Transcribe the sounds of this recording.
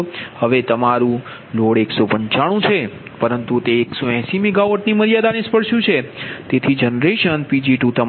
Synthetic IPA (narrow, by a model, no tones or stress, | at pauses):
həʋet̪əmaɾũ | loɽeksopəɲt͡ʃaɽ̃ũt͡ʃʰepəɾənt̪ut̪eːksoɛ̃simiɡaʋoʈniməɾijad̪anespəɾʃjũt͡ʃʰet̪et̪ʰid͡ʒənɾeʃənpid͡ʒiʈũt̪ə